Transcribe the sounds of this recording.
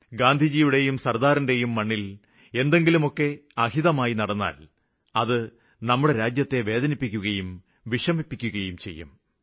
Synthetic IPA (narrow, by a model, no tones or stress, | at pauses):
ɡaːnd̪ʱid͡ʑiːʋiɽe̞jumsɐrd̪aːɾinde̞jumːɐɳːil | e̞nd̪e̞ŋɡilumo̞kːe̞ɐhiðɐmaːjinɐɽɐnːa̰ːl | ɐðɨ | nɐmːuɽe̞ɾaːd͡ʑjɐt̪ːe̞ʋe̞ːðɐnipːikʲːuɣɐjum | ʋiʂɐmipːikʲːuɣɐjumt͡ɕe̞̰jːṵm